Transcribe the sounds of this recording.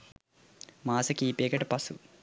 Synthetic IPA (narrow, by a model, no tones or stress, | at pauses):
maːsɐkiːpeːkɐʈɐpɐsṵ